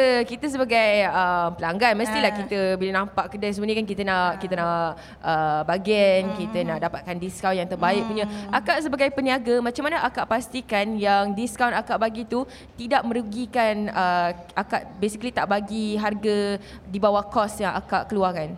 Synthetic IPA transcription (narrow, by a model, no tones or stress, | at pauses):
əkit̪əs̬əbaɡajəmpəlaŋɡanməst̪ilahkit̪əbilanampaʔkədasəmunəkank̬it̪ənaʔkit̪ənaʔʔ | ʔəbaɡɛnkit̪ənaʔdapat̪̚kandiskawnjaŋt̪ərbaɪʔ̚puɲəʔakaʔsəbaɡajpəniaɡamãt͡ʃamːanəʔakaʔpast̪ikanjaŋdiskawnakaʔbaɡit̪u | t̪idaʔ̚mə̃ɾuɡikanə | akaʔbesikəlit̪aʔbaɡiɦarɡə | dibawakɔsjaŋʔa̰kaʔkəluarkan